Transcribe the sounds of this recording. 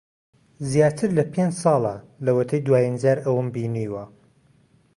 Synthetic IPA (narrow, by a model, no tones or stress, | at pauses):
zjaːt̪ʰɨɾlɐpʰend͡ʒsɑːlˠa | lɐwɐt̪ʰɐjd̪waːjind͡ʒaːɾɐwɨmbiːniːwɐ